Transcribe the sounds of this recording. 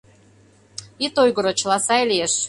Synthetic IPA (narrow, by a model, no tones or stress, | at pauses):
it̪ojɣə̆ɾŏt͡ɕlɑsɑjlʲieʃ